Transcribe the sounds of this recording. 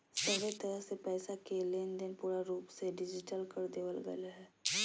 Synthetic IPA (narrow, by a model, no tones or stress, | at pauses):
səbet̪əɾəɦsepɛːsakeleːnd̪ɪnpuːɾaɾuːpseɖɪd͡ʒɪʈəlkəɾd̪eːʋəlɡə̰laɦɛː